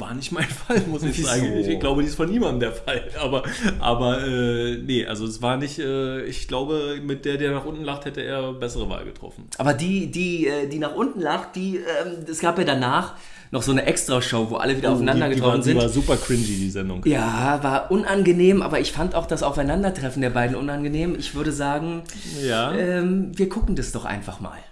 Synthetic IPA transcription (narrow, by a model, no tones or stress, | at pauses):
va̰ːɐnɪçtmaɪnfalmʊsɪçzaːɡŋɪɡ̥laʊbədiːɪstfɔnːiːmandn̩deːɐfalʔaːbɐʔa̰ːbɐʔɛːnəʔa̰lzodɛsv̥aːɐnɪçtʔɛːɪçɡ̥laʊbəmɪt̚d̥eːɐdeːɐnaːχʔʊntn̩laχthɛtəḛːɐbɛsəʁəva̰ːlɡə̰tʁ̥ɔ̰fn̩ʔaːbɐdiːdiːʔɛːdiːnaːχʔʊntn̩laχt̚d̥iːʔɛːmɛsɡ̥aːpjaːdanaːχ | nɔχz̥oːnəʔɛkstʁ̥aʃoʊvoːʔa̰ləviːdɐaʊfaɪnadɐɡətʁ̥ɔfn̩zɪnvaːzuːpɐkʰʁ̥ɪnzidiːzɛndʊŋjaːvaːɐʔʊnanɡəneːmʔa̰ːbɐɪçfantaʊxd̥asaʊfaɪnandɐtʁ̥ɛfn̩deːɐbaɪdn̩ʔʊnanɡəneːmɪçv̥ʏɐɾəzaːɡŋ̩ | jaːʔɛːmviːɐɡʰʊkŋ̩dasd̥ɔχʔa̰ɪnfaχma̰ːl